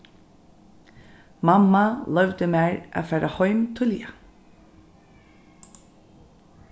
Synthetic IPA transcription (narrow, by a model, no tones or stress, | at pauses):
mamːalœwt̪ɪmæːɹʔa̰ðfɛːɾʔahɔɥmt̪ʰʏlja̰